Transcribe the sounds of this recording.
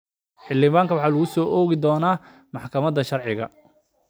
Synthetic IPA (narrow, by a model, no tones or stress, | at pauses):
ħɪlːɪβaːŋkʰɐwɑħɑːlʊɣʊsɔːʔɔːɣɪd̪ɔːnaː | mɑħkʰɐmɐd̪ɐʃɐrʕɪɣɐ̰